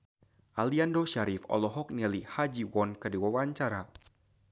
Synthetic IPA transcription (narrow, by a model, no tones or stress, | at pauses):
ʔaliandoʃaɾifɔ̰lɔɦɔk̚nɛlihad͡ʒiwɔnkɨrdiwawaɲt͡ʃaɾa